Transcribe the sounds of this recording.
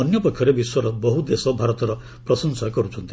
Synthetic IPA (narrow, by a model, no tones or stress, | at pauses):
ɔnjɔpɔkʰːjɔɾebiswɔɾɔbɔɦud̪esɔbʱaɾɔt̪ɔɾɔ | pɾɔsɔnsakɔɾut͡ʃʰɔnt̪i